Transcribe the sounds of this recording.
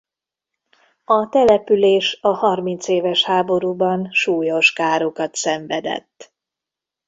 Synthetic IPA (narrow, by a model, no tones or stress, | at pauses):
ɒt̪ɛlɛpyleːʃɒhɒrmint̪seːvɛʃhaːbo̞ɾuːbɒnʃuːjo̞ʃkaːɾokɒt̪sɛɱvɛd̪ɛ̰t̪ː